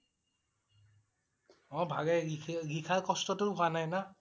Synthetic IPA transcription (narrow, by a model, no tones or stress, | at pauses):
ɔ̃bʱaɡɛɡikʰaɹkɔstɔtʊanajna